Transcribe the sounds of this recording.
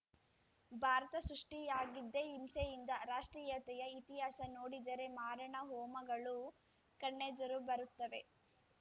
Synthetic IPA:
bʱaːɾɐt̪ɐsɾuʂʈijaːɡid̪ːeimsejind̪ɐɾaːʂʈɾiːjɐt̪ɛjɐit̪iɦaːsɐnoːɽid̪ɐɾe̞maːɾɐɳɐɦɔːmɐɡɐɭu | kɐɳːed̪ɐɾubɐɾut̪ːɐʋe̞

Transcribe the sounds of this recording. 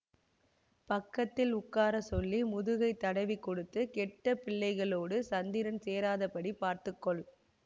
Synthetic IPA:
pɐkːɐt̪ːɪlʊkːaːɾɐsɔlːimʊðʊɣɐɪt̪ːɐɽɐʋikːɔɽɯt̪ːɯkɛʈːɐpɪɭːɐɪɣɐɭoːɽɯsɐnd̪ɪɾɐnseːɾaːðɐpɐɽipaːɾt̪ɯkːɔɭ

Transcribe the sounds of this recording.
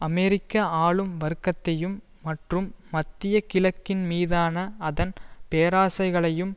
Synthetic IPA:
ɐmɛɾɪkːɐaːɭɯmʋɐɾɯkːɐt̪ːɐjɯmː | ɐʈrɯmːɐt̪ːɪjɐkɪlɐkːɪnmiːðaːnɐɐðɐnpeːɾaːsɐɪɣɐɭɐjɯm

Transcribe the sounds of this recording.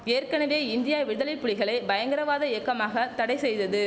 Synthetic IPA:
eːrkɐnɐʋeːɪnd̪ɪjaːʋɪðɐlɪpːʊɭɪɣɐɭɐɪbɐjɐŋɡɐɾɐʋaːðɐekːɐmaːɣɐt̪ɐɽɐɪsɛjðɐðɯ

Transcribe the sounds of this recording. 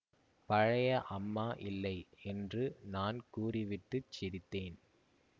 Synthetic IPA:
pɐɻɐjɐʔɐmːaːʔɪlːɐɪɛndrɯnaːnkuːrɪʋɪʈːɯt͡ʃːɪɾɪt̪ːeːn

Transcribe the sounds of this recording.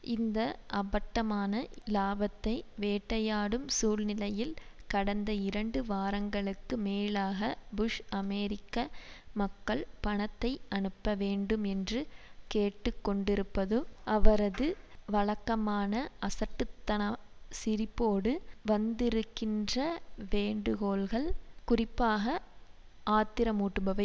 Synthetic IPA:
ɪnd̪ɐʔɐbɐʈːɐmaːnɐlaːbɐt̪ːɐɪʋeːʈːɐjaːɽɯmsuːlnɪlɐjɪlkɐɽɐnd̪ɐɪɾɐɳɖɯʋaːɾɐŋɡɐɭɯkːɯmeːlaːɣɐbʊʂɐmɛːɾɪkːɐmɐkːɐɭpɐɳɐt̪ːɐɪɐnɯpːɐʋeːɳɖɯmɛndrɯkeːʈːɯkːɔɳɖɪɾɯpːɐðɯʔɐʋɐɾɐðɯ | ʋɐɭɐkːɐmaːnɐʔɐsɐʈːɯt̪ːɐnɐsɪɾɪpːoːɽɯʋɐnd̪ɪɾɯkːɪndrɐʋeːɳɖɯɣoːlɣɐɭkʊrɪpːaːɣɐ | ʔaːt̪ːɪɾɐmuːʈːɯbɐʋɐ

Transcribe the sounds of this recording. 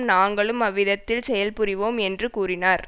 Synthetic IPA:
mnaːŋɡɐɭɯmɐʋːɪðɐt̪ːɪlsɛjɐlpɯrɪʋoːmɛndrɯkuːrɪnaːɾ

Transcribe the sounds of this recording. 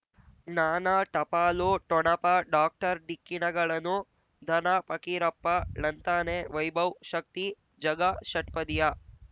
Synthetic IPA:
naːnaːʈɐpaːloːʈɔɳɐpaɖaːk̚ʈɐɾɖikːinɐɡɐɭɐnu | d̪ʱɐnapɐkiɾɐpːɐlɐnt̪aːneːʋɐjbɐwʃɐk̚t̪i | d͡ʒɐɡaʃɐʈ̚pɐd̪ija

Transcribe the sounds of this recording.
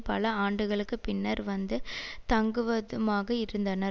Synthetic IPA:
pɐ̰lɐaːɳɖɯɣɐɭɯkːɯpɪnːɐɾʋɐnd̪ɯt̪ɐŋɡɯʋɐðɯmaːɣɐɪɾɯnd̪ɐnɐ

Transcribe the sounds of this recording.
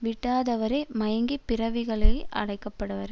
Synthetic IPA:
ʋɪʈːaːðɐʋɐɾɐɪmɐjɐŋɡipːɪɾɐʋɪɣɐɭɐjʔɐ̰ɽɐɪkːɐpːɐɽɐʋɐɾ

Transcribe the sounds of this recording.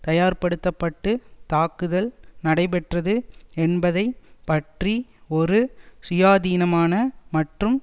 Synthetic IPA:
t̪ɐjaːɾpɐɽɯt̪ːɐpːɐʈːɯt̪aːkɯðɐlnɐɽɐɪpɛʈrɐðɯɛnbɐðɐɪpɐʈriɔɾɯsʊjaːðiːnɐmaːnɐmɐʈrɯm

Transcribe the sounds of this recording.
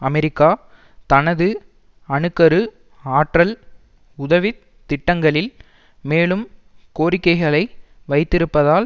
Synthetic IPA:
ɐmɛɾɪkːaː | t̪ɐnɐðɯ | ɐɳɯkːɐɾɯ | aːʈrɐl | ʊðɐʋɪ | t̪ːɪʈːɐŋɡɐɭɪl | meːɭɯmkoːɾɪkːɐɪɣɐɭɐɪ | ʋɐɪt̪ːɪɾɯpːɐðaːl

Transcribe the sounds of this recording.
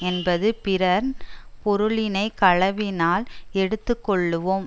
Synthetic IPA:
ɛnbɐðɯpɪɾɐɾnpɔɾɯɭɪnɐɪkɐɭɐʋɪnaːlɛɽɯt̪ːɯkːɔɭːɯʋoːm

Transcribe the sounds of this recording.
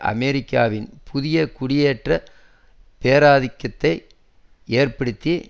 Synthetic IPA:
ʔɐ̰mɛɾɪkːaːʋɪnpʰʊðɪjɐkʊɽɪjeːʈrɐ | peːɾaːðɪkːɐt̪ːɐɪ | eːrpɐɽɯt̪ːi

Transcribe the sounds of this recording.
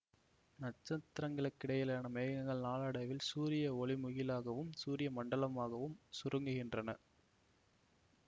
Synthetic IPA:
nɐʈ̚t͡ʃːɐt̪ːɾɐŋɡɐɭɐkːɪɽɐjɐlaːnɐmɛːɐŋɡɐɭnaːlɐɽɐʋɪlsuːɾɪjɐɔɭɪmʊɣɪlaːɣɐʋɯmsuːɾɪjɐmɐɳɖɐlɐmaːɣɐʋɯmsʊɾʔɯŋɡɯɣɪndrɐnɐ

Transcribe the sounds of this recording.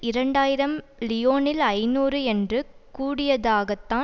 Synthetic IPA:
ɪɾɐɳɖaːjɪɾɐmlɪjoːnɪlɐɪnuːrɯɛndrɯkuːɽɪjɐðaːɣɐt̪ːãː

